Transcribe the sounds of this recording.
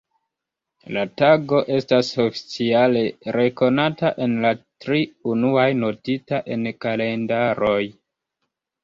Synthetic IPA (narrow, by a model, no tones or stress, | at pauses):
lataɡo̞ʔe̞staso̞fi̥t͡siale̞ɾe̞ko̞nataʔe̞nlatɾiunuajno̞titaʔe̞nkale̞ndaɾo̞j